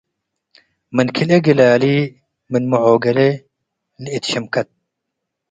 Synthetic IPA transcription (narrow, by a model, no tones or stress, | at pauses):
mɐnkʰileɡilaːliː | minmuʕoːɡɐle | lit̪ɕɐmkɐt̪̚